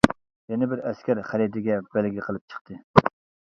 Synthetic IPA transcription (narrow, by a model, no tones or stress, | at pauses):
jɛnɪbɪɾɛskʲæɾχælid̪ɪɡʲɛb̥ælɡʲlɪqʰəlˠɨp̚t͡ʃʰə̥χt̪ʰɨ